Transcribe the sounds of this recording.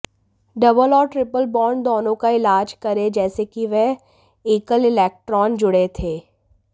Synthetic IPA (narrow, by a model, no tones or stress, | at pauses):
ɖɐbəlɔːɾʈɾɪpəlbɔːɾɳd̪ɔːnõkaɪlaːd͡ʒkɐɾed͡ʒɛːsekiʋɛɦ | iːkəlɪlɛːk̚ʈɾɔːnd͡ʒʊɽet̪ʰeː